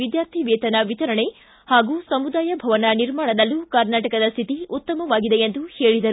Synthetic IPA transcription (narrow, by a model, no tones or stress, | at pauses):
ʋid̪jaːɾt̪ʰiʋɛːt̪ɐnɐʋit̪ɐɾɐɳe̞ | haːɡuːsɐmud̪aːjɐbʱɐʋɐnɐniɾmaːɳɐd̪ɐlːukɐɾnaːʈɐkɐd̪ɐst̪ʰit̪iut̪ːɐmɐʋaːɡid̪e̞end̪uheːɭid̪ɐɾu